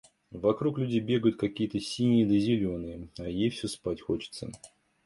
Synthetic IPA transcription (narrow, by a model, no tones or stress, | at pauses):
vɐkɾuklʲʉdʲejbʲe̞ɡəjʊt̪̚kɐkʲijət̪əsʲinʲɪjəd̪əzʲɪlʲo̞nɨjəajejfsʲɵspatʲxo̞t͡ɕɪ̥t̪sə̰